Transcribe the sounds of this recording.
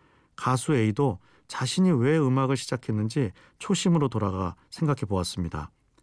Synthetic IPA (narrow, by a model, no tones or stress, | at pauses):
kasʰue̞ido | t͡ɕaɕʰiɲiwe̞ɯmaɡɯɭɕʰid͡ʑakʰe̞nːɯnd͡ʑi | t͡ɕʰoɕʰimɯɾotoɾaɡasʰe̞ŋɡakʰepoas͈ɯmɲida̰